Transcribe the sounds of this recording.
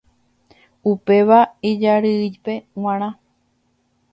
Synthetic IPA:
upe̞ʋaid͡ʒaɾɨɨjpe̞w̃ãɾ̃ã

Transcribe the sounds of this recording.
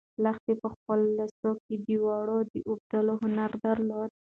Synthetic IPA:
laxt̪epəxpəlːasoked̪əwɑɽod̪əʔub̚d̪əloɦʊnaɾd̪aɾlod̪̚

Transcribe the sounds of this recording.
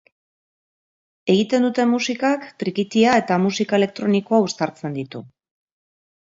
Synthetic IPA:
e̞ɣit̪e̞nd̪ut̪e̞mːusikakt̪ɾikit̪iae̞t̪amusikae̞le̞k̚t̪ɾo̞niko̞aust̪aɾt͡se̞nd̪it̪u

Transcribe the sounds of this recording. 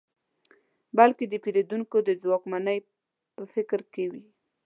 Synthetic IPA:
balked̪əpeɾed̪uŋkod̪əzwɑkmanəj | pəfɪkɾkewi

